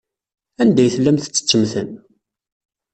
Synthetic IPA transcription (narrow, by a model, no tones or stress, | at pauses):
ænd̪æjθlːæmθə̥t͡sːə̥t͡sːəmθən